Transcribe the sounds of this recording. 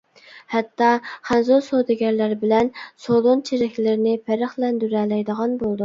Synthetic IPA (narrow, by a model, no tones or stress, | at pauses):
hɛt̪ːɑχænzosod̪ɪɡʲɛɾlæɾbɪlɛnsolˠont͡ʃʰeɾɪkʲlɪɾɪnɪpʰæɾəχlɛnd̪yɾɛlɛjd̪əʁɑnbolˠd̪u